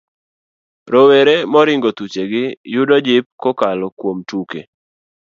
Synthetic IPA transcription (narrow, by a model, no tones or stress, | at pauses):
ɾoweɾemɔɾɪŋɡot̪ut͡ʃeɡɪjʊdɔd͡ʒɪp̚kokalɔkwomtukḛ